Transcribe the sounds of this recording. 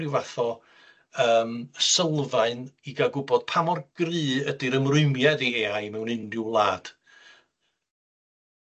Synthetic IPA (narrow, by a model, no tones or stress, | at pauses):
ɪwvaθɔ | əːməsəlˠvaɨniɡaɡʊbɔd̥pʰamɔrɡ̥rɨːədiɾəmrʊɨmjadieajmɛwnɪndjʊlˠaːd̥